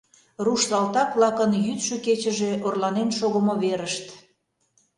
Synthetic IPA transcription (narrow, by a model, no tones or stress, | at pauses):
ruʃlɑlt̪ɑkβlɑkənjyt̪ʃøket͡ɕəʒeorlɑnenʃoɣəmoβeɾəʃt̪